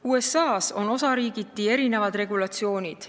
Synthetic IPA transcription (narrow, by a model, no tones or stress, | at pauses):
uːe̞sɑːso̞no̞sɑɾiːɡit̪ːie̞ɾine̞vɑd̪re̞ɡulɑt̪sio̞ːnʲid̪̥